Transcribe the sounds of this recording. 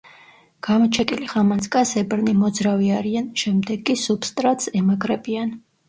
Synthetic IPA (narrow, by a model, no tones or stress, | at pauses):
ɡ̥amɔt͡ʃʰɛkʼiliχamanskʼasɛbɾnimɔd̪zɾaviaɾianʃɛmd̪ɛɡʼːisupst̪ʼɾat̪sɛmaɡɾɛbian